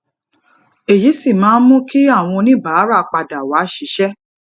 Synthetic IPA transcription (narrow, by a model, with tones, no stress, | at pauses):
e˨ji˨˦si˦˨mãː˨˦n̩˦mũ˦ki˦a˦˨w̃ɔ̃˧nĩ˦˨ba˨˦ɾa˦˨˧k͡pa˧da˨wa˨˦ʃi˨˦ʃɛ˦